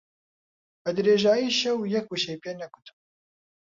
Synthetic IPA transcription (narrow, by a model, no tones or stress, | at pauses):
bɛd̪ɨɾeːʒaːjiːʃɛwjɛk̚uʃɛjpeːnɛɡʊt̪ɨ̥b